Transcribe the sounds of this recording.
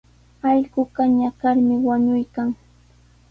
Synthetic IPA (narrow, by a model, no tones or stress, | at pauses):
ɑʎɢʊkaɲakaɾmɪwaɲʊjkaŋ